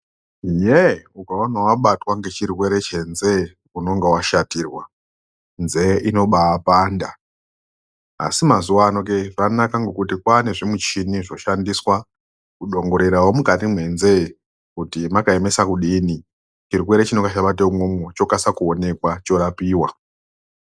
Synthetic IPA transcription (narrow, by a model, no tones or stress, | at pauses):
jeukaonawaɓatwaŋɡe̞t͡ʃirwe̞ɾe̞t͡ʃe̞nze̞ | uno̞ŋɡewaʃatiːrwa | nze̞ʔino̞ɓaːpanda | simazuwanokeʐanakaŋɡokutikwaneʐimut͡ʃiniʐo̞ʃandiswa | kuɗo̞ŋɡo̞ɾe̞ɾawomukatimwe̞nze̞ | kutimakaeme̞sakuɗini | t͡ʃirwe̞ɾe̞t͡ʃinoŋɡat͡ʃaɓat̬eumwomot͡ʃo̞kasakuone̞kwat͡ʃo̞ɾapiːwa